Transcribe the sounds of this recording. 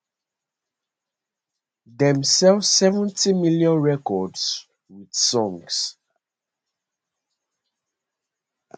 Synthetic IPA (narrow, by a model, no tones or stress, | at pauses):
ðɛ̃msɛlvssɛvə̃ntimiljɔ̃nɹɛkɔds | wid̥sɔ̃ŋs